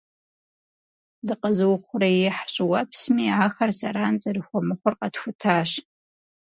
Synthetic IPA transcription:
dɨqɐzɨwχʷʊrɐjɪħɕʼɨwɐpʰsmiːʕaːxɐrsɐɾaːnt͡sʼɐrɨxʷɔmɨχʷʊrqʼɐtxʷʊtʰaːɕ

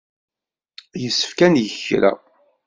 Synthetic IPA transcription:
jəsːə̥fkænjəçːɾæ̰

